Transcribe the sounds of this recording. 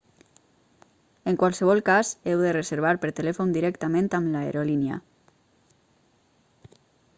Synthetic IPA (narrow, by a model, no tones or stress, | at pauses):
eŋkwalˠsəβ̞ɔlˠkazewðerezeɾβ̞aɾpəɾt̪elɛfond̪iɾɛkt̪amẽnt̪amlaḛɾolinja̰